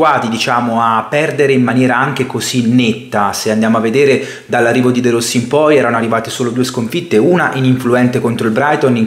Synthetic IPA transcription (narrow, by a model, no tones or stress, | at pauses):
aːt̪id̪it͡ʃaːmoapːɛrd̪eɾeimːanjɛːɾaaŋk̟ekozinet̪ːaseand̪jaːmoavːed̪eːɾe | d̪alːarːiːvod̪id̪eɾosːimpɔjɛːɾanoarːivaːt̪esoːlod̪ueskoɱfit̪ːeuːnaʔiniɱfluɛnt̪ekont̪ɾoilbɾajt̪oniŋ